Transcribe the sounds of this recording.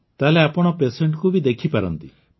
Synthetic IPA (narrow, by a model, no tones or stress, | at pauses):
t̪aleapɔɽ̃ɔpeseɳʈkubid̪ekʰipaɾɔ̰nt̪i